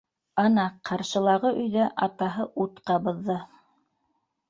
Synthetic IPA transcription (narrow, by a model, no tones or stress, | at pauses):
ɑnɑqʰɑɾʃɤ̆lˠɑʁɤʔɵ̆jðæʔɑt̪ɑɦɤʔut̪qɑbɤ̆ðːɤ